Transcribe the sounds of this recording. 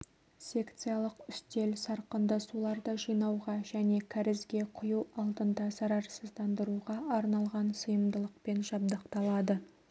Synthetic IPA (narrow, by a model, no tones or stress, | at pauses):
sʲe̞kt̪sɨjɑlˠəqʏst̪e̞lsɑɾqənd̪ɑsulˠɑɾd̪əʒijnɑwʁɑʒæne̞kʲʰæɾɪzɡʲe̞qʰʊjuɑlˠd̪ənd̪ɑsɑɾɑɾsəzd̪ɑnd̪əɾuʁɑɑɾnɑlˠʁɑnsəjəmd̪əlˠəq̚pe̞nʒɑb̚d̪ɑq̚t̪ɑlˠɑd̪ə